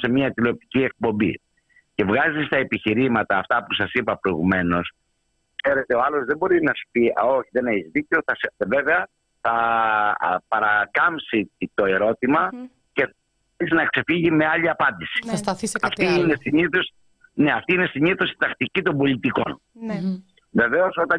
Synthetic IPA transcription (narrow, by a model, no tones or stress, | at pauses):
se̞miɐt̪ilo̞p̚t̪i̥cie̞k̚po̞mbḭ | ce̞vɣɐzist̪ɐe̞piçiɾimɐt̪ɐːft̪ɐpusɐsipɐpɾo̞iɣume̞no̞s | kse̞ɾe̞t̪e̞oɐlo̞zðe̞bo̞ɾinɐspioçiðe̞neçizðiceoθɐsve̞ve̞ɐ | θɐ | pɐɾɐkɐmpsit̪o̞e̞ɾo̞t̪imɐ | ce̞ | isinɐkse̞fiʝime̞ɐʎiɐpɐnd̪isi̥st̪ɐɐft̪iinesiɲiθos | ne̞ɐft̪iine̞siɲiθo̞si̥t̪ɐxt̪icit̪o̞mbo̞lit̪iko̞n | ve̞ve̞o̞so̞t̪ɐ